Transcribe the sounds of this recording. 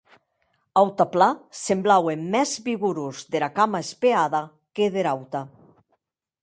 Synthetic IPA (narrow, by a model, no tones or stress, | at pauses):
awt̪aplasemblawemːɛzβiɣuɾuzðeɾakamaespeaða | keðeɾawt̪a